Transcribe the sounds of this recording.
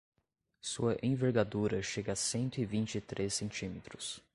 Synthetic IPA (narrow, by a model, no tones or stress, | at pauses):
suɐʔẽveɾɡad̪uɾɐʃeɡɐasẽnt̪ʊɪvĩnt͡ʃɪt̪ɾʔesẽnt͡ʃĩmet̪ɾʊs